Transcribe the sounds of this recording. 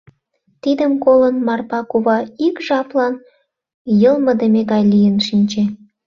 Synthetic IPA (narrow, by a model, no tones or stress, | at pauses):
t̪id̪əmkolənmɑrpɑkuβɑikʒɑplɑn | jɤlˠmɤəd̪emeɡɑjlijənʃinʲt͡ɕe